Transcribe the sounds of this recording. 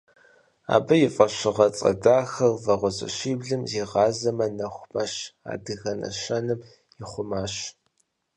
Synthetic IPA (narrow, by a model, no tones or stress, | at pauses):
a̰ːbɐjɪfʼɐɕɪʁɐt͡sʼɐ̰daːxɐrvɐʁʷʊzʼɐ̰ʃiːbɮɨmziːʁɑːzɐmɐnɐxʷmɐɕa̰ːdɨɣɐnɐ̰ɕɐnɨm | jɪχʷʊmaːɕ